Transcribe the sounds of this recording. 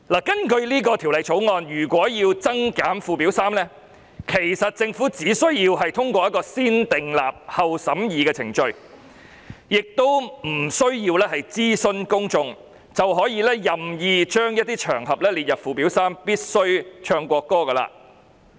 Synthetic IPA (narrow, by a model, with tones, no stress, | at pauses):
laː˨˩kɐ˥nkɵ˧ɥliː˥k̬ɔː˧t̪ʰi˨˩wlɐ˨˧jt͡sʰo˨˥wŋɔː˧njyː˨˩kʷɔː˨˥jiː˧wt͡sɐ˥ŋkaː˨˥nfuː˨˧pi˨˥wsaː˥mlɛː˥ | kʰe˨˩jsɐ˨t̚t͡sɪ˧ŋfuː˨˥t͡siː˨˥sɵ˥ɥjiː˧wɦɐ˨jt̪ʰʊ˥ŋkʷɔː˧jɐ˥t̚kɔː˧siː˥nt̪ɪ˨ŋla̰ː˨p̚hɐ˨wsɐ˨˥mjiː˨kɛː˧t͡sʰɪ̰˨˩ŋt͡ʃɵ˧ɥ | jɪ˨k̚t̪o˥wm̩˨˩sɵ˥ɥjiː˧wlɛː˥ɦɐ˨jt͡siː˥sɵ˧nkʊ˥ŋt͡sʊ˧ŋ | t͡sɐ˨wɦɔː˨˥jiː˨˧lɛː˥jɐ˨mjiː˨˧t͡ʃœː˥ŋjɐ˥t̚t̪iː˥t͡ʃʰœː˨˩ŋɦɐ˨p̚lɛː˥liː˨t̚jɐ˨˩p̚fuː˧p̬i˨˥wsaː˥mpiː˥t̚sɵ˥ɥt͡ʃʰœː˧ŋkʷɔː˧kːɔː˥kɐ˧la̰ː˧